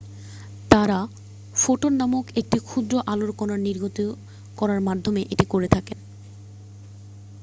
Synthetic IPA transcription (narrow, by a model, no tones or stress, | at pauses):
t̪aɾa | foʈoɾnamokek̚ʈikʰud̪ɾoʔaloɾkɔnaɾniɾɡʱot̪i | kɔɾaɾmad̪ʱːomeʔeʈikoɾet̪ʰaken